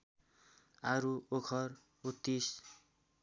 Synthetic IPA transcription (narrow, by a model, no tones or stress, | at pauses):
aɾuokʰʌr | ut̪ːis